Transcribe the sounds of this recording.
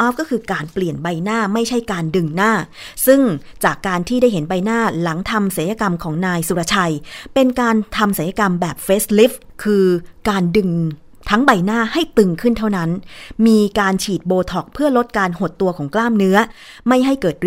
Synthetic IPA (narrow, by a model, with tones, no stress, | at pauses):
ʔɔ˦˥p̚kːɔː˥˩kʰɯː˧kaː˧npli˨˩ənba˧jnaː˥˩ma˥˩jt͡ɕʰa˥˩jkaː˧ndɯ˧ŋnaː˥˩sɯ˥˩ŋt͡ɕaː˨˩kːaː˧nt̪ʰiː˥˩da˥˩jɦe˩˦nba˧jnaː˥˩la˩˦ŋt̪ʰa˧mʔsa˨˩˦jaː˧ka˧mkʰɔː˩˦ŋnaː˧jsu˨˧ɾa˧t͡ɕʰa˧jpe˧nkaː˧nt̪ʰa˧mʔsa˨˩˦jaː˧ka˧mbɛː˨˩p̚feː˦˥sli˦˥pkʰɯː˧kaː˧ndɯ˧ŋ | t̪ʰa˦˥ŋba˧jnaː˥˩ha˥˩jt̪ɯ˧ŋkʰɯ˥˩nt̪ʰa˥˩wna˦˥nmiː˧kaː˧nt͡ɕʰiː˨˩t̪̚boː˧t̪ʰɔ˨˩k̚pʰɯ˥˩ɐlo˦˥t̪̚kaː˧nho˨˩t̪ːu˧ɐkʰɔː˩˦ŋklaː˥˩mnɯ˦˥ɐ | ma˥˩jɦa˥˩jkɤː˨˩t̪̚